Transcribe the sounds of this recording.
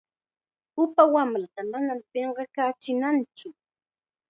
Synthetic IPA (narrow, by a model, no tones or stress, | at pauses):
ʊpawamɾat̪amanampeɴɢɑkaːt͡ʃɪnant͡ʃʊ